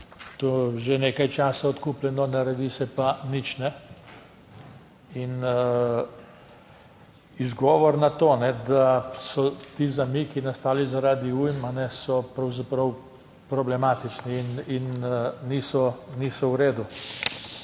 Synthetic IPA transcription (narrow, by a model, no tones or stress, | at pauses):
t̪oʒeneːkajt͡ʃaːsaɔt̪kuplɛnɔnɐɾɛd̪isɛpanit͡ʃnɛ | in | izɡɔːʋɔɾnat̪oːnɛd̪asɔt̪izamikinast̪aːlizaɾaːd̪iujmanɛsɔpɾɐwzapɾɔw | pɾɔblɛmat̪it͡ʃniːninːisɔniːsɔwɾeːd̪u